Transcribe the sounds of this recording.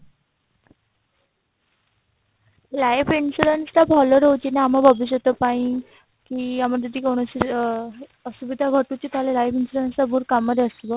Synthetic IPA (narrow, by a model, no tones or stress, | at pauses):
lajfinsuɾenslabʱɔlɔɾəwt͡ɕinaamabʱəbis̬ot̪əpaĩ | kiːaməɾt̪əd̪ʱiːkoɳ̃əsi | əsubid̪ʱaɡʱəʈut͡ɕit̪ʰalelajpinsuɾensabʱuɾkamːəd̪eəsbɔ